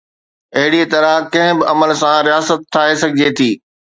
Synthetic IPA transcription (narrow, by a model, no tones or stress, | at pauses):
ɐɦɪɽit̪ɐɾãkɐ̃ɦɪ̃bɪʔɐməlsãɾijaːsət̪ʰːaːesɐɡʱɪd͡ʑet̪ʰiː